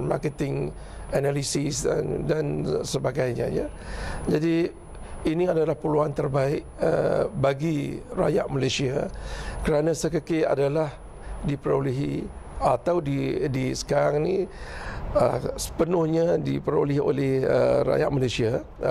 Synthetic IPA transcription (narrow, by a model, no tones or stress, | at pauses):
ma̰kət̪ɪŋ | analisɪsda̰ndansəbaɡajɲã̰ja̰ | d͡ʒadi | iniadalahpəluant̪ərbaɪʔə̰baɡira̰jaʔmalasiakəɾanãsəkəkea̰dalah | dipəɾo̰liɦḭ | at̪awdidisə̥kaɾaŋnĩ | ə̰sə̥pənʊhɲadipəɾo̰liɦo̰lɪhə̰ra̰ja̰ʔmalasia